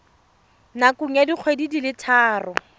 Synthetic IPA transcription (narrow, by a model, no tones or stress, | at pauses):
nakʊŋ̩jadiq͡χʰwedidilɪtʰaːrɔ